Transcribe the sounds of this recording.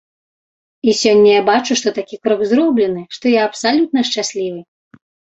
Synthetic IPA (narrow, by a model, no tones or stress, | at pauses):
isʲɔnʲːɐjabat͡ʂuʂt̪ɔt̪akʲikɾɔɡzɾɔblʲɛnɨʂt̪ɔjaɐpsalʲut̪̚nɐʂt͡ʂasʲlʲivɨ